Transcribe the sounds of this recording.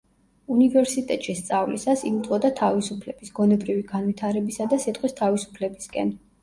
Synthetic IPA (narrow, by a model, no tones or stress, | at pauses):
univɛɾsit̪ʼɛt̪ʼʃist̪sʼavlisasiut̪ʼɔd̪at̪ʰavisupʰlɛb̥isɡ̥ɔnɛbɾiviɡanvit̪ʰaɾɛbisad̪asit̪ʼχʼwist̪ʰavisu̥pʰlɛbiskʼɛ̰n